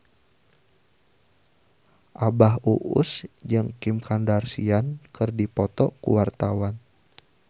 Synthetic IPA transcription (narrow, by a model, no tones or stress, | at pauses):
ʔabaɦuʔʊ̰sd͡ʒɨŋkimkʰandarsiankɨrdipɔt̪ɔkṵwart̪awan